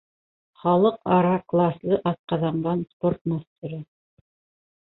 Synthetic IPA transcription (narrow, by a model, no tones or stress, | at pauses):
χɑlˠɤqɑɾɑklˠɑslˠɤʔɑt̪̚qɑðɑɴɢɑnsport̪̚mast̪ɪ̆ɾɘ